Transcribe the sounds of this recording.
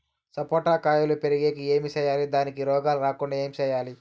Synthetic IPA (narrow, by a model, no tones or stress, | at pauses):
sɐpoːʈaːkaːjulupeɾiɡeːkie̞ːmit͡ʃɛːjaːlid̪aːnikiɾɔːɡaːluɾaːkuɳɖae̞ːmit͡ʃɛːjaːli